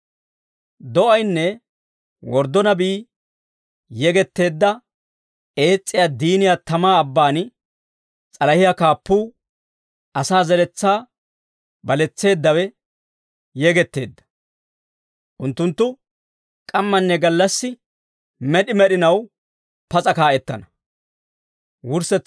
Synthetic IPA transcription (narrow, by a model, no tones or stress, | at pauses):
d̪ɔʔɐjnːɛ | wɔɾd̪ɔnɐbiː | jɛɡɛt̪ːe̞ːd̪ːɐ | e̞ːt͡sʼːɪjaːd̪iːnɪjat̪ɐmaːɐbːaːn | t͡sʼɐlɐhɪjakaːpːuː | ʔɐsaːzɛlɛt͡sːaː | bɐlɛt͡sːe̞ːd̪ːɐwɛ | jɛɡɛt̪ːe̞̰ːd̪ːɐ̥ | ʔʊnt̪ːʊnt̪ːʊ | kʼɐmːɐnːɛɡɐlːɐsːɪ | mɛɗɪmɛɗɪnɐw | pɐt͡sʼɐkaːʔɛt̪ːɐnɐ | wʊɾsɛ